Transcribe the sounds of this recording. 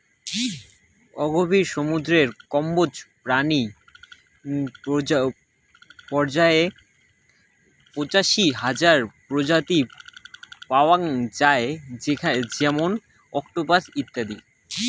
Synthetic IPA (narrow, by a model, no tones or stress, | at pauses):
ɔɡobiɾʃomud̪ɾeɾkɔmbod͡ʑpɾani | pɔɾd͡ʑae | pot͡ɕaʃiɦad͡ʑaɾpɾod͡ʑat̪i | paoaŋd͡ʑaed͡ʑead͡ʑɛmon | ɔkʈobasit̪ːad̪i